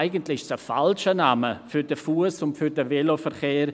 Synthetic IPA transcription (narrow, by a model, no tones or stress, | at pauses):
ɪɡəntlɪʃsəfalʃənaməfʏɾdəfuəsʊntfʏɾdəvɛlofɛʁχeːɾ